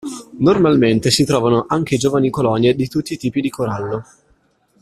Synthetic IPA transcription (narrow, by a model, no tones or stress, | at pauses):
normalment̪esit̪ɾɔːvanoʔaŋk̟ed͡ʒoːvanikolɔnjed̪it̪ut̪ːiːt̪iːpid̪ikoɾalːo